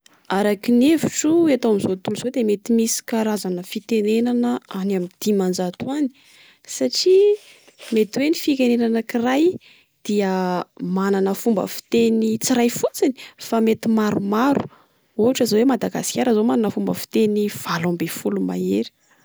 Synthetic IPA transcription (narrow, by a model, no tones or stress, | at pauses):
aɾakineviʈ͡ʂueat̪owamizot̪uluzod̪emet̪imisi̥kaɾazanəfit̪enenanəanamid̪̥imand͡ʒat̪uani̥ | saʈ͡ʂi | met̪wenifikenenanəkiraj | d̪̥iəmananəfumbə̰fi̥t̪enit͡siɾajfut͡sini̥famet̪imaɾumaɾu̥̰ | uɦaʈ͡ʂəzawemad̪aɡasi̥kʲaɾəzomananəfumbəfi̥t̪eniv̥alambefuluma̰eɾi̥